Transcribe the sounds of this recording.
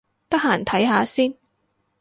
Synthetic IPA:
t̪ɐ˥k̚haː˨˩nt̪ʰɐ˨˥jɦaː˨˧siː˥n

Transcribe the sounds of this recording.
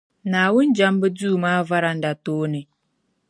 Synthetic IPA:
na˨wi˦n̩˦d͡ʒa˦m˦bə˦d͡zuː˦˨ma˦va˦ɾa˨n˨da˨toː˦ne˨

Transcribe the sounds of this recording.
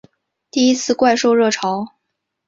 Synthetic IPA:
t̪i˥˩i˥t͡sʰɹ̩˥˧kwa˥˧ɪʂo˥˧ʊɻɤ˥˩ʈ͡ʂʰɑ˧˥ʊ

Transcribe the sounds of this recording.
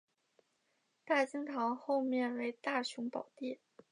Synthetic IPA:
t̪a˥˩t͡ɕi˥ŋt̪ʰɑ˧˥ŋxo˥˧ʊmjɛ˥˩nwe˧˥ɪt̪a˥˩ɕu˧˥ŋpɑ˨˩ʊt̪i˥˩

